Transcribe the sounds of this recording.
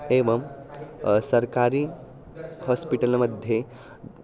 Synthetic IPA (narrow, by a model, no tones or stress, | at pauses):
eːʋɐm | sɐɾkaːɾi | hɔspiʈəlməd̪ʱje